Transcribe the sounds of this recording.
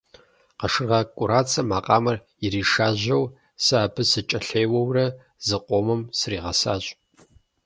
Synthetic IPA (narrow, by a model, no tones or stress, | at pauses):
qɐʂɨrʁɐkʷʼʊɾaːt͡sʰɐmaːqʼɑːmɐr | ɪɾiːʂaːʑɐw | sɨaːpʰɨsɨt͡ʃʼɐɬejwɐwrɐ | zɨqʷʼomɨmsriːʁɐsa̰ːɕʼ